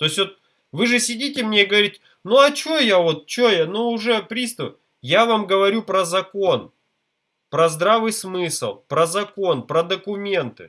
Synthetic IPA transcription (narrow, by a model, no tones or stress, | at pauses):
t̪o̞sʲvo̞t̪̚ | vɨʐɨsʲɪdʲit̬ʲɪmnʲeiɡəvɐɾʲitʲ | nuɐt͡ɕojavo̞t̪̚t͡ɕojanuʊʐɛpɾʲist̪ə | javamɡəvɐɾʲupɾəzɐko̞n | pɾɐzd̪ɾavɨjsmɨsɨlˠpɾəzɐko̞npɾəd̪əkʊmʲe̞nt̪ɨ̰